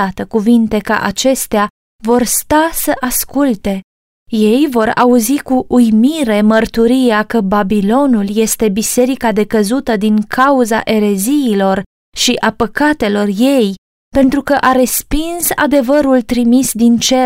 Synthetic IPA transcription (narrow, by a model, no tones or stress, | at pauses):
at̪əkuvint̪e̞kə̰ʔat͡ʃe̞st̪ea | vo̞rst̪asəʔaskult̪e̞ | je̞jvo̞ɾa̰uzikuʔujmiɾe̞mərt̪uɾijakəbabilo̞nulje̞st̪e̞bise̞ɾikad̪e̞kəzut̪əd̪iŋkʰauza̰ʔe̞ɾe̞ziːlo̞r | ʃiʔapəkat̪e̞lo̞rje̞j | pe̞nt̪ɾukəʔaɾe̞spinsa̰d̪e̞vəɾult̪ɾimisd̪int͡ʃe̞